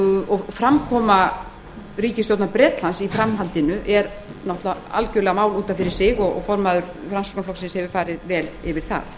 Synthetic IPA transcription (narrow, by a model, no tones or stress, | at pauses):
ɔfɾamkʰɔːma | riːcɪst̪jowt̪napɾɛːt̪lansifɾamɦalt̪ɪnʏʔɛɾ | nɔht̪laa̰lcʏɾlɛɣamaːwluːt̪afɪɾɪɾ̥sɪɣɔɣ̰fɔɾmaðʏɾ | fɾansɔknflɔksɪnshɛvʏfaːɾɪðvɛːlɪvɪɾ̥θa̰θ